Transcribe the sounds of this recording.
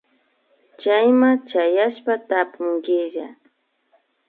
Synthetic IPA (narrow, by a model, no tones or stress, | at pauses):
t͡ʃajmat͡ʃajaʃpat̪apʊŋɡɪʒa